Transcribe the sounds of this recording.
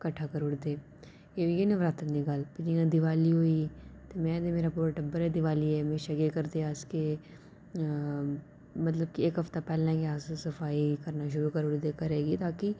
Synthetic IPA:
kɐʈʰːaːkəɾʊɽd̪eː | jeʋiɡenẽʋɾaːt̪əniɡaːlpɪd͡ʒiãːd̪ɪʋaːliɦoːiːt̪emɛ̃ːd̪emeːɾapuːɾaʈɐbːəɾɦɛd̪ɪʋaːliɦɛːmɛ̃ːʃɐɡekəɾd̪eaːske | mɐt̪ləb̚kieːkɦɐft̪apɛːlãɡeaːssɐfaːikɐɾnaʃ̬ʊɾukəɾʊɽd̪eːkəɾeːɡit̪aːki

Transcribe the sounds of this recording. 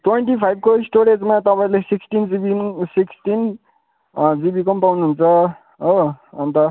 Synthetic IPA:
ʈweɳʈipʰajb̚ʱkoisʈoɾed͡zmat̪ʌpaĩlesiksʈind͡zibisiksʈin | d͡zibikʌmpawnuɦunt͡sʰʌ | oʌnt̪ʌ

